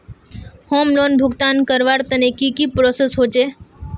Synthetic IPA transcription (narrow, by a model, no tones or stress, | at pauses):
hoːmloːnbʱʊɡt̪ankəɾʋaɾt̪ənekikipɾosesɦot͡ʃʰe